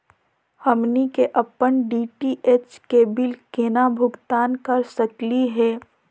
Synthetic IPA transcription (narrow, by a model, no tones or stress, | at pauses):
hɐmnikeʔɐpənɖiːʈiʔet͡ʃkeːbɪlkeːnabʱʊɡt̪aːnkɐɾsɐkliɦɛː